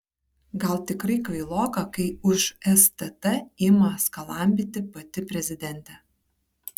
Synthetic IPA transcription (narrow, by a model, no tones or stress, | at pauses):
ɡɐlˠt̪ʲɪkɾɐɪkɐɪlˠoːkɐkɐɪʊʃɛst̪ɛt̪ɛɪmɐskɐlˠɑˑmʲbʲɪt̪ʲɪpɐt̪ʲɪpʲɾʲɛzʲɪd̪ʲɛnʲt̪ʲɛ